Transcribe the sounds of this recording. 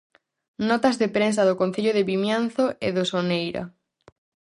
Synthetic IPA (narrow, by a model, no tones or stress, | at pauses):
nɔt̪ɐzðepɾensɐðokõnθeʎoðeβimjan̟θoʔeðosonejɾɐ̰